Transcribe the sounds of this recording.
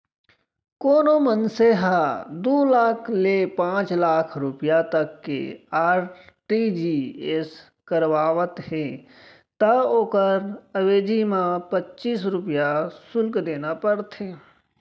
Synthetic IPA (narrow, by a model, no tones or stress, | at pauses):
koːnomənseɦad̪oːlaːkʰlepãːt͡ʃlaːkʰɾʊpjat̪əkːḛaːɾʈid͡ʒies | kəɾʋaːʋət̪he | t̪aoːkəɾəʋeːd͡ʒimãpətːʃiːs̬ɾʊpjasʊlkd̪eːnapəɽt̪ɦeː